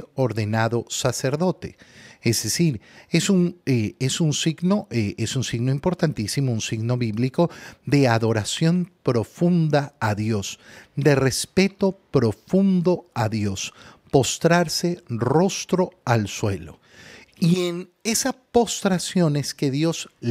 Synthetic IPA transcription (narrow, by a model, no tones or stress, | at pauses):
o̞ɾðe̞naðo̞sase̞ɾðo̞t̪e̞ezðesiɾe̞suneesunsiɡno̞ʔeesunsiɣnoimpo̞ɾt̪ant̪isimo̞unsiɣno̞βiβliko̞ðe̞aðo̞ɾasjo̞mpɾo̞fund̪aːðjo̞sd̪e̞re̞spe̞t̪o̞pɾo̞fund̪o̞aðjo̞spo̞st̪ɾaɾse̞ro̞st̪ɾo̞alswe̞lo̞̰ | ien | e̞sapo̞st̪ɾasjo̞ne̞ske̞ðjo̞z